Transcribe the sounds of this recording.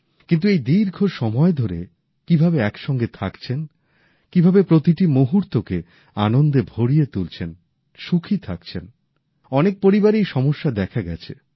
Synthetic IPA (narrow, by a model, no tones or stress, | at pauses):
kint̪uejd̪iɾɡʱoʃɔmɔed̪ʱoɾe | kibʱabeɛkʃɔŋɡet̪ʰakt͡ɕʰen | kibʱabepɾot̪iʈimoɦuɾt̪oke | anond̪ebʱoɽijet̪ult͡ɕʰen | ʃukʰit̪ʰakt͡ɕʰen | ɔnek̚poɾibaɾiʃɔmoʃːad̪ɛkʰaɡɛ̰t͡ɕʰe